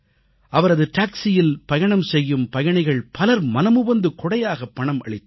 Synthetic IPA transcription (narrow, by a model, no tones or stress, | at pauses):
ʔɐʋɐɾɐðɯʈaːksɪjɪlpɐjɐɳɐmsɛjːɯmpɐjɐɳɐɪɣɐɭpɐlɐɾmɐnɐmʊbɐnd̪ɯkɔɽɐjaːɣɐpːɐɳɐmʔɐ̰ɭɪt̪ː